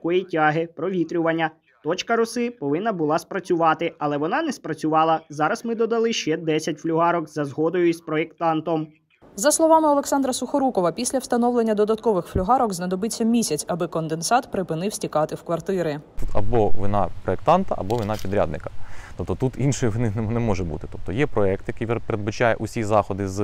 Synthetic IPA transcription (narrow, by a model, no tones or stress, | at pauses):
kɔjitʲaɦɪpɾɔʋʲit̪ɾʲʊʋɐnʲːɐ | t̪ɔt͡ʃkɐɾʊsɪpɔʋɪnːɐbʊlˠɑspɾɐt͡sʲʊʋɑt̪ɪɐlˠɛʋɔnɑnɛspɾɐt͡sʲʊʋɑlˠɐzɑɾɐsmɪd̪ɔd̪ɐlˠɪʃt͡ʃɛd̪ɛsʲɐtʲflʲʊɦɑɾɔkzɐzɦɔd̪ɔjʊispɾɔekt̪ɑnt̪ɔm | zɐslˠɔʋɑmɪɔlˠeksɑnd̪ɾɐsʊxɔɾukɔʋɐpʲisʲlʲɐwst̪ɐnɔʋlˠenʲːɐd̪ɔd̪ɐt̪kɔʋɪxflʲʊɦɑɾɔkznɐd̪ɔbɪt͡sʲːɐmʲisʲɐt͡sʲɐbɪkɔnd̪ensɑt̪pɾɪpɪnɪwsʲtʲikɑt̪ɪwkʋɐrt̪ɪɾɪt̪ut̪ɐ̰bɔʋʲinɑ̰pɾɔek̚t̪ɑnt̪ɐ̰ʔɐ̰bɔʋʲinɑpʲid̪ɾʲa̰d̪nɪkɐ̥t̪ɔp̚t̪ɔt̪ut̪inʃɔjʋnɪnnɛmɔʒɛbṵt̪ɪ̥t̪ɔp̚t̪ɔjɛpɾɔɛk̚t̪jɐkijppeɾed̪bɐt͡ʃajɛ̰ʔusʲizɑxɔd̪ɪz